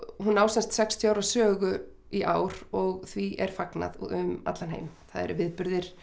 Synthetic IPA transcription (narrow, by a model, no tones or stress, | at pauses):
hunːaːwsɛnst̪sɛkst̪ʰjawɾasœːɣʏ | iʔaːwɾ̥ɔɣθviʔɛɾ̥fakna̰ðʏma̰t̪lanɦḛjmθaðɛ̰ɾvɪðpʏɾðɪɾ̥